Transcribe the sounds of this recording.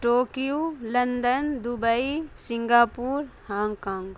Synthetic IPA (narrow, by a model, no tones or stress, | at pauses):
ʈoːkijulɐnd̪ənd̪ubəisɪŋɡaːpuːɾhãːŋɡkãːŋɡ